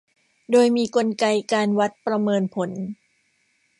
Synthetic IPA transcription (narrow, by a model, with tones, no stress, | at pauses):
doː˧jmiː˧ko˧nka˧jkaː˧nwa˦˥t̪̚pɾa˧mɤː˧npʰo˩˦n